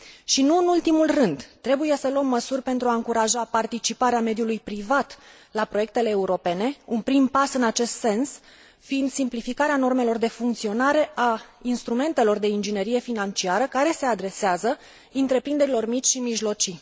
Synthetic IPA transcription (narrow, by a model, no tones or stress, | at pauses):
ʃinuɨnult̪imulrɨnd̪t̪ɾe̞buje̞səluəmːəsurʲpe̞nt̪ɾuaɨŋkuɾaʒapart̪it͡ʃipaɾeame̞d̪julujpɾivat̪ | lapɾo̞je̞k̚t̪e̞le̞ːuɾo̞pe̞ne̞unpɾimpasɨnat͡ʃe̞st̪se̞ns | fiːnd̪simplifikaɾeano̞rme̞lo̞rd̪e̞fuŋk̚t̪sio̞naɾe̞ʔainst̪ɾume̞nt̪e̞lo̞rd̪e̞ind͡ʒine̞ɾije̞finant͡ʃiaɾəkaɾe̞se̞ad̪ɾe̞seazə | ɨnt̪ɾe̞pɾind̪e̞ɾilo̞rmit͡ʃʲʃimiʒlo̞t͡ʃi